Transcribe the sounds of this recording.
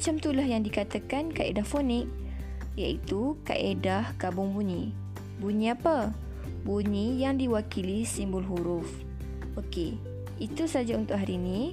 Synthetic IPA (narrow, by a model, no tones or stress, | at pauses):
at͡ʃamt̪ulahjaŋdikat̪akankaedahfonɪk̚ | jaʔit̪uka̰ʔedahkabʊŋbuɲĩ | buɲĩapə | buɲĩjaŋdiwakilisimbʊlɦuɾʊf | ʔoke | it̪usad͡ʒaunt̪ʊʔɦaɾinĩ